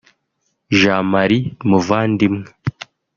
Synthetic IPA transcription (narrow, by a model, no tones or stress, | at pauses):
ʒaːmaɾimuvaːndimŋe